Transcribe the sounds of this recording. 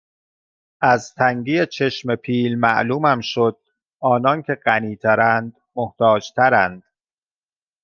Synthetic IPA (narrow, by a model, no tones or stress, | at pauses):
ʔæzt̪ʰæŋɟiːet͡ʃʰe̞ʃme̞pʰiːlmæ̰ʔluːmæmʃod̪̥̚ | ʔɒːnɒncʰe̞ɢæniːt̪ʰæɾænd̪̥ | moht̪ʰɒːd͡ʒt̪ʰæɾænd̪̥